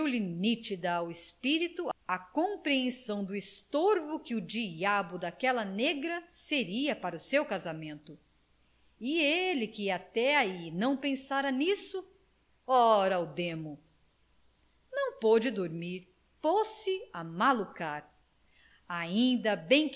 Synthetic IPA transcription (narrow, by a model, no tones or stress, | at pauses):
wlinit͡ʃid̪ɐːwespiɾit̪ʊɐkõpɾiẽsɐ̃w̃d̪ʊɪst̪oɾvʊkɪʊd͡ʒiabʊd̪akɛlɐneɡɾɐseɾiɐpaɾɐʊsewkazamẽnt̪ʊ | ɪelɪkɪat̪ɛainɐ̃w̃pẽsaɾɐnisʊ | ɔɾɐʊd̪ẽmʊ | nɐ̃w̃pod͡ʒɪd̪oɾmiɾ | posɪamalukaɾ | aĩnd̪ɐbẽj̃k